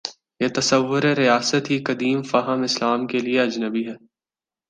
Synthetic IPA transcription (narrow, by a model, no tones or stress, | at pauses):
jet̪ɐsəʋːʊɾeɾijaːsət̪ɦikɐd̪iːmfaɦəmɪslaːmkelieɐd͡ʒnəbiɦɛː